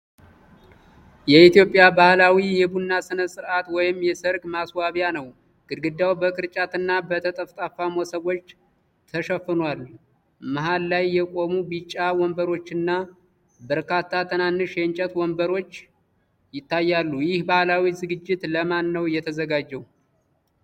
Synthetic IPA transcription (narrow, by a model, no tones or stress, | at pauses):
jɛit̪jo̞pʼːjabahlawijɛbunːasɨnəsʼɨɾʔat̪wɔjɪmjɛsɨɾɡmaswaβjanəw | ɡ̥ɨɾɡɨd̪awbəkʰʼɨɾt͡ʃʼat̪ʰɨnːabət̪ʰət̪ʼəft̪ʼafamosəβo̞t͡ʃː | t̪ʰəʃəfːɨnwalːu | maɦalːajːɛkʼo̞mubit͡ʃʼːawɔmbəɾo̞t͡ʃːɨnːa | bəɾkat̪ʰːat̪ʰənanːɨʃjɛnt͡ʃʼɛt̪wɔmbəɾo̞t͡ʃː | jɪt̪ʰːajːalːujɪhbahlawizɨɡɨd͡ʒːɪt̪ləmanːəwjɛt̪ʰəzəɡad͡ʒːɛw